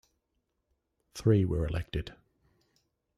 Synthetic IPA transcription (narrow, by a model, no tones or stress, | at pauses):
θɹiːwə˞ɪlɛ̰k̚tɪd̥